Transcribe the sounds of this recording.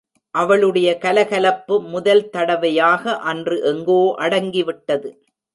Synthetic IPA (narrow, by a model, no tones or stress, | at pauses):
ʔɐʋɐɭɯɽɐjɐkɐlɐɣɐlɐpːɯmʊðɐlt̪ɐɽɐʋɐjaːɣɐʔɐndrɯʔɛŋɡoːʔɐɽɐŋɡɪʋɪʈːɐðɯ